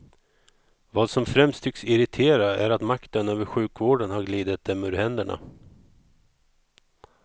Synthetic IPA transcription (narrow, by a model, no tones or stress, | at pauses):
vɑːd̪sɔmfɾɛmst̪ʰːʏksɪɾɪt̪ʰeːɾaæɾat̪makt̪ənøːvəɾɧʉ̟ːkvoːɖənhaɾɡliːd̪ət̪̚d̪ɛmʉːɾɦɛnd̪əɳa̰